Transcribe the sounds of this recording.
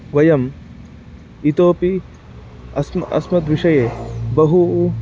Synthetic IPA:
ʋɐjɐm | it̪oːpi | ɐsmɐ̰smɐt̪ʋiʂɐjeːbɐɦu

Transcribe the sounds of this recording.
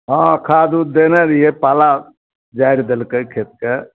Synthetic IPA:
ɦɔ̃kʰad̪ud̪enɛɾiepala | d͡ʒaiɾd̪elkəkʰet̪̚ke

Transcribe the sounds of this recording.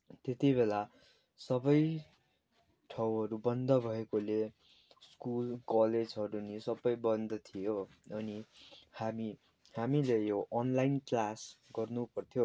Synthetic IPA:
t̪et̪ibela | sʌbʌj | ʈʰʌwɦʌɾubʌnd̪ʌbʱʌekole | skulkʌled͡zɦʌɾunisʌbʌjbʌnd̪ʌt̪ʰijo | ʌnihami | hamilejoʔʌnlajnklasɡʌrnupʌrt̪ʰijo

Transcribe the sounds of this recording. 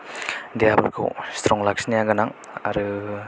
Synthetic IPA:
dijaba̰ɾkʰɯ̰wst̪ʰɾɔŋlak̚sinijaɡanaŋ | a̰ɾɯ

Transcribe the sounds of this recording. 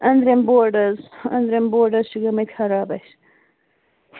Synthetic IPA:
ɐnd̪ɾemboːɾɖɐzɐ̰nd̪ɾemboːɾɖɐzʃiɡɐmɐt̪ʲxɐɾaːbɐɕ

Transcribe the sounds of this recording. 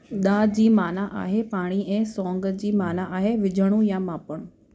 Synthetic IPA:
ɗ̪aːd͡ʑiːmaːnaʔa̰ːɦepaːɽ̃iɛ̃ːsɔ̃ːŋɡəd͡ʑiːmaːnaʔaːɦeʋɪd͡ʑʱəɽ̃ũjãmaːpəɽ̃ũ

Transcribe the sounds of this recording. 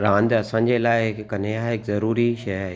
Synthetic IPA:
ɾãːnd̪ɐsãːɲ̆d͡ʑelaːɪɪkkɐneɦaːɦɪkzɐɾuːɾiʃɐjaːɦe

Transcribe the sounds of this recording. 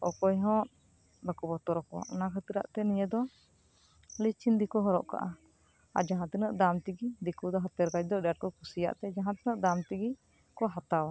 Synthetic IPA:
ɔkɔjɦɔ̃ʔ | bəkubɔt̪ɔɾɔkɔ̰ʔɔnakʰət̪iɾa̰ʔt̪ɛniɲəd̪ɔ | lit͡ʃind̪ikɔɦɔɾɔʔka̰ʔa | a̰d͡ʒaɦãt̪ɛnəʔd̪amt̪iɡid̪ikud̪ɔɦat̪ɛɾkad͡ʒ̚d̪ɔɖaʈ̚kɔkusija̰ʔt̪ɛd͡ʒaɦãt̪ɛnəʔd̪amt̪iɡi | kɔɦat̪awa

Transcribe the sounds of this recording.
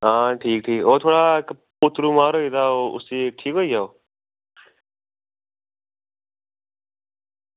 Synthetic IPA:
aːʈʰiːk̚ʈʰiːkoːt̪ʰoːɽaːk | pʊt̪ɾũːmaːɾoit̪aːoːʊ̰siːʈʰiːkɦoid͡ʒaoː

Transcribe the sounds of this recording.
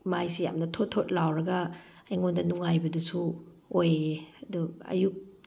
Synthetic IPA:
majsija̰mnɐtʰotʰːot̚lawɾɐɡɐː | jŋondɐnuŋajbɐdusu | ojeɐduɐ̰juk̚

